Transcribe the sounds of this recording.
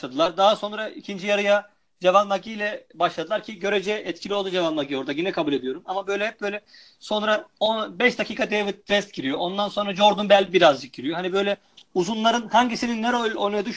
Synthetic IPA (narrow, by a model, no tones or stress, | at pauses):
ad̪ɯlˠaɾd̪aɦaso̞nɾaʔicʰind͡ʒijaɾɯja | d͡ʒevanmaɡijlʲɛbaʃlˠad̪ɯlˠaɾcʰiɟø̞ɾed͡ʒɛɛt̪cʰilʲiolˠd̪ud͡ʒevanmaɡio̞ɾd̪aɟinɛkʰabulʲe̞d̪ijo̞ɾumamabø̞jlʲɛhɛp̚b̥ø̞jlʲɛ | so̞nɾaobɛʃd̪acʰiːkʰad̪evit̪̚ːɾɛst̪̚ɟiɾijoʔo̞nd̪anso̞nɾad͡ʒo̞ɾd̪ɯnbɛlʲbiɾazd͡ʒɯk̚ɟiɾijo̞ɦanibø̞jlʲɛ | uzunlˠaɾɯnhaɲɟisininːɛɾolʲonujad̪yʃ